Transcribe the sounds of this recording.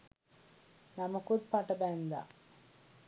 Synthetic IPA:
nɐmɐkut̪̚paʈɐbænd̪a̰

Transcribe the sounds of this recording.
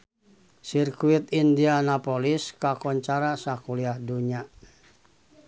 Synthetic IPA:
sirkuit̪indianapoliskakɔɲt͡ʃaɾasakuliahduɲa

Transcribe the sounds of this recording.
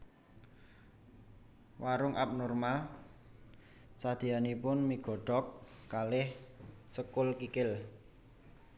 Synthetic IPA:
waɾʊŋʔa̰p̚nɔrmal | sad̪̥i̤anipʊnmiɡ̥ɔ̤ɖ̥ɔkːalɪhsəkʊlkikɪl

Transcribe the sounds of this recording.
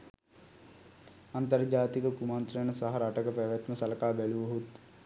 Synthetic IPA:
ɐ̃nt̪əɾd͡ʒaːt̪ikəkumaːnt̪ɾəɳsɐɦɐɾaʈəkəpeːʋjɐt̪mesɐlkaːbeluʋɦut̪

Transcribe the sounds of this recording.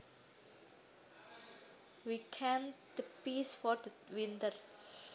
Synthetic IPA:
wikʰɛ̃nd̪̥əpisfɔrd̪ə | wint̪ər

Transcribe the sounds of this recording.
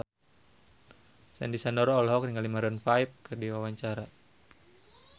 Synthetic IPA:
sɛ̰ndisanɔɾɔːlɦɔk̚riŋɡalimaɾɔnfaip̚kʰɨrdiwawaɲt͡ʃaɾa

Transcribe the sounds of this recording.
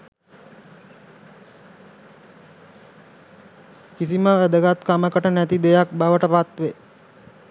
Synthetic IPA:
kisiməʋæd̪əɡat̪kaməkəʈənæt̪id̪ejak̚baʋəʈəpat̪ʋe

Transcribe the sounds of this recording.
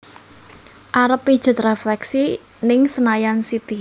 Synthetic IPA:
ʔaɾəpːid̥ʒ̥ə̤t̪reflɛksi | nɪŋsənajansit̪i

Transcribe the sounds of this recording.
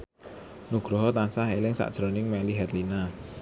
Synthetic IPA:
nuɡ̥ɾɔɦɔt̪ansaɦelɪŋsa̰ʔd̥ʒ̥ɾonɪŋmɛliɦɛt̪lina

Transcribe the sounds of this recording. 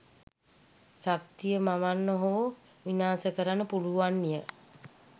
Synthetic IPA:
sak̚t̪ijəmaʋanːəɦoː | ʋinaːsəkəɾanːəpuluʋanːijə

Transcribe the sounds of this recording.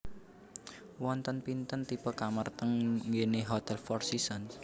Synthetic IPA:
wɔnt̪ənpint̪ənt̪ipəkamərt̪əŋŋɡeneɦot̪ɛlfɔrsisən

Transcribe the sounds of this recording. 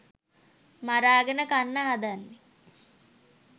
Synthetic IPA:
maɾaːɡənəkanːəɦad̪anːe

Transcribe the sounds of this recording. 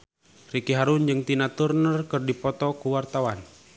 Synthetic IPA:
rikiɦaɾund͡ʒɨŋt̪inat̪urnərkɨrdipɔt̪ɔkuwart̪awan

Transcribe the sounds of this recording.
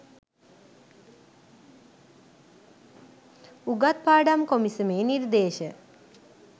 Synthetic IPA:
uɡat̪̚paːɖamkomisəmeːniɾd̪eːʃə

